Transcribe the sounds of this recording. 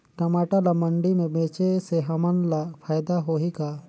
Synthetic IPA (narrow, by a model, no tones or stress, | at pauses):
ʈɐmaːʈalaməɳɖimẽbẽːt͡ʃeseɦɐmənlapʰaːjd̪aɦoɦika